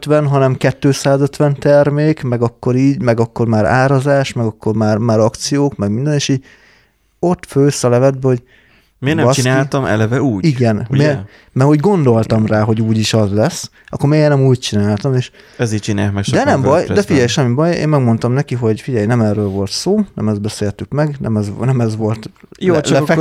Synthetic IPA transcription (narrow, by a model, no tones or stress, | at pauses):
t̪ʋɛnɦɒnɛmkɛt̪ːøːsaːzøt̪ʋɛnt̪ɛrmeːkmɛɡɒkːo̞ɾiːɟmɛɡɒkːo̞rmaːɾa̰ːɾɒzaːʃmɛɡɒkːo̞rmaːrmaːɾɒkt̪sijoːkmɛɡmind̪ɛneːʃiːɟ | o̞t̪ːføːsɒlɛvɛd̪̚bɛho̞ɟ | meːnɛɒt͡ʃinaːlt̪ɒmɛ̰lɛvɛuːɟiɡɛne | mɛho̞ɟɡo̞nd̪o̞lt̪ɒmraːɦo̞ɟuːɟiʃɒzlɛsː | ʔɒ̰kːormeːjnɛmuːc̚t͡ʃinaːlt̪ɒmeːʃ | ɛzit͡ʃinakmɛkʃd̪ɛnɛmbɒjd̪ɛfiɟɛjʃɛmːibɒjḛːmmɛɡmo̞nt̪ɒmnɛkiɦo̞ɟfiɟɛjnɛmɛːrøːlvo̞lt̪soːnɛ̰mɛzd̪bɛseːlt̪ykmɛɡnɛmɛznɛmɛzʋo̞lt̪jolɛfɛ